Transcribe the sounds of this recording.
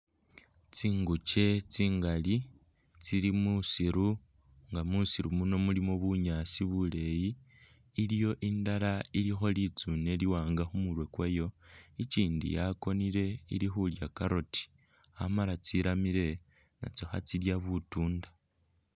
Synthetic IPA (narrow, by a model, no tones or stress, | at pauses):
t͡siːŋɡut͡ʃe̞t͡siːŋɡali | t͡siɾimusiɾu | ŋɡamusiɾumuno̞mulimoβuɲasiβule̞jiː | lijo̞ʔindalailixo̞lit͡sune̞liwaːŋɡaxumulwe̞kwejo̞iciːndḭjako̞niɾe̞ḭɾixuljakaɾo̞ti̥ | a̰malat͡siɾamiɾe̞ | na̰t͡so̞xat͡siljaβutuːnda